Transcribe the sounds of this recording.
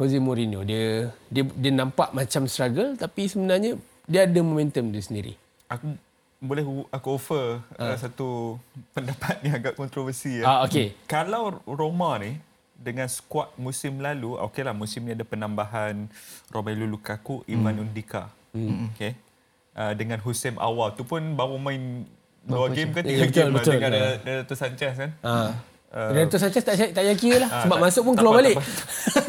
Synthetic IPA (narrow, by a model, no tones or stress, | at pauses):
hozemoɾinodiədiədiənãmpaʔmãt͡ʃamst̪ɾaɡəlt̪apisəbənarɲã | diəːdamomɛ̃nt̪əmt̪usəndiɾḭ | ʔaku | bolɛhakuofərəsat̪upəndapat̪̚ɲãaɡaʔkɔnt̪ɾovərsiaokekalawromãni | dəŋãnsə̥kwat̪̚musɪmlaluo̰kelahmusɪmɲĩadapənambaɦanrʔomalulukakuʔimanundika̰ | ke | ʔədəŋãnɦusɛmʔa̰walt̪upʊnbawamãin | dawaɡemkatiaəɡ̪lbət̪ʊlkadadadat̪usaɲt͡ʃaskana | əɾaat̪usaɲt͡ʃast̪aʔt͡ʃaɪʔt̪aʔjakiəlasəbamasʊʔ̚pʊnkəluabalɪʔ